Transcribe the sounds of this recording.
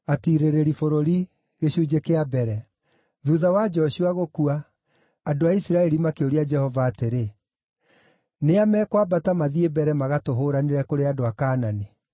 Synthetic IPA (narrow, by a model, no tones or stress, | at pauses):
atiɾeɾeɾifoɾoɾi | ɣeɕuːd͡ʒekeabɛɾɛ | ðuðawad͡ʒɔɕuaɣokuaː | doaisiɾaɛɾimakeoɾiad͡ʒɛhɔvaːteɾe | neamɛːkwabatamaðiebɛɾɛmaɣatoɦoːɾaneɾɛkoɾeadoakaːnani